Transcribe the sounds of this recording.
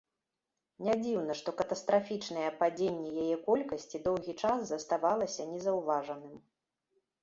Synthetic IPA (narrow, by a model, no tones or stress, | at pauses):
nʲad͡zʲiwnɐʂt̪ɔkɐt̪ɐst̪ɾafʲit͡ʂnɐjɛpad͡zʲenʲːɛjajɛkɔlʲkɐsʲt͡sʲid̪ɔwɣʲit͡ʂaszɐst̪avalˠɐsʲɐnʲɛzɐwvaʐɐnɨm